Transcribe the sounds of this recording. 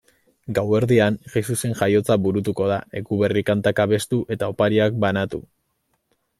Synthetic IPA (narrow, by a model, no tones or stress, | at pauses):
ɡawe̞ɾðiaŋʝesuse̞ŋʝajo̞t͡saβuɾut̪uko̞ð̞ae̞kuβe̞rikant̪akaβe̞st̪uʔe̞t̪ao̞paɾiak̚banat̪ṵ